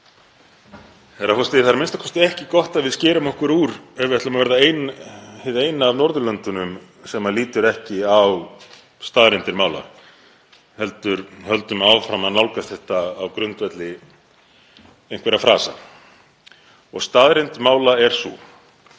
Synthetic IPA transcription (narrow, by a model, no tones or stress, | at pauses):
θɛɾakʰɔst̪ɪɪθaɾmɪnst̪ḁkʰɔst̪ɪɛhcɪkɔht̪aðvɪðscɛːɾʏmɔhkvʏɾuːɾɛvɛt̪lʏmavɛɾðaeːjnhɪðeːjnaːvnɔɾðʏlœnt̪ʏnʏm | sɛmaliːt̪ʏɾɛhcɪaw | st̪aðɾent̪ɪɾmaːwla̰ | hɛlt̪ʏɾhœlt̪ʏmawfɾamaðnawlkast̪θɛht̪aːwkɾʏnt̪vɛt̪lɪ | ejnŋ̥kvɛɾafɾa̰ːsa̰ | ɔ̰ɣst̪aðɾent̪maːwlaɛɾ̥sṵ